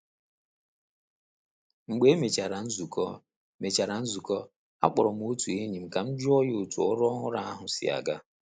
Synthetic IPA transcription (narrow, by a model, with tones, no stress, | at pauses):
ŋ͡m̩˨ɡ͡be˨˦e˦me˨t͡ʃa˨ɾa˨n̩˦zu˨kɔ˦ | me˨t͡ʃa˨ɾa˨n̩˦zu˨kɔ˦ | a̰˦k͡pɔ˨ɾɔ˨m̩˦o˦tu˨e˦ɲi˨m̩˨ka˨m̩˦d͡ʒʊ˦ɔ˦jo˨tu˨ɔ˦ɾɔ˦ɦʊ˦ɾa˦a˦ɦʊ˨sɪ̰˦a̰˨ɡa˦